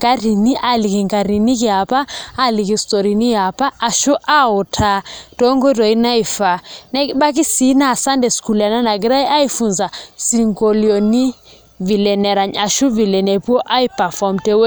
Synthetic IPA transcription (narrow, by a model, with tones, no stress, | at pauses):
ɡ̥a˦ɾi˨ni˦ʔa˨li˨ki˨ŋɡa˨ɾi˨ni˦ki˨a˨paː˦li˨ki˨stɔ˨ɾi˨ni˦ja˨paː˦˨ʃu˦ʔa˦ɔ˨tʰa˦tɔ˦ŋɡɔ˦tɔ˨i˦na˦i˨fa˨nɛ˦ɓa˦k̬i˦si˨˦na˨sa˦ndɛ˨sku˨la˨na˦na˨ɡi˦ɾa˦jʔa˦i˦fu˨nza˨si˨ŋɡo˨li˨o˨ni˦ | vi˨lɛ˨nɛ˨ɾa˨ɲa˨ʃu˦vi˨lɛ˨nɛ˨pu˦ɔ˦ʔa˦i˦pa˨fɔ˨mtɛ˦we˦